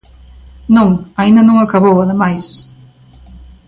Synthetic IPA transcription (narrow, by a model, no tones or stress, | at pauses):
nõŋɐĩnd̪ɐnõŋakaβowɐðɪmajs